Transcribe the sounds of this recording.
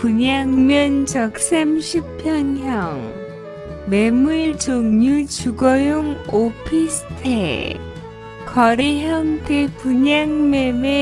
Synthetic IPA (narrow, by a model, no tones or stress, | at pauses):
puɲaŋmjʌnt͡ɕʌk̚s͈amɕʰipʰjʌnɦjʌŋ | memuɭt͡ɕoŋɲut͡ɕuɡʌjoŋopʰisʰtʰḛ | kʌɾeɦjʌŋtepuɲaŋmeme